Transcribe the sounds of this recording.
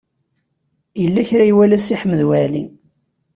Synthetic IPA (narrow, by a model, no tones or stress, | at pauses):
jəlːæçɾæiwælæsiħməðwælḭ